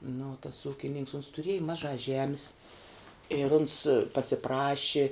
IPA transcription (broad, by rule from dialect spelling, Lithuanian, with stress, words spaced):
nʊ tɐs ˈuːkʲɪnʲɪŋks ʊns tʊˈrʲiɛjɪ ˈmɑːʒɑː ˈʒʲæːmʲɪs ɪr ʊns pɐsʲɪˈprɑːʃʲɪ